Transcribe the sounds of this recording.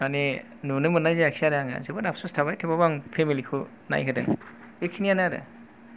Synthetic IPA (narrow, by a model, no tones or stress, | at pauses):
ani | nunɯmɯnajzeaksaɾajaŋa̰zebanapsustʰabajtʰebabaŋpʰemilikʰu | na̰jkʰɯdɯ̰ŋ | ekʰinijanaaɾɯ̰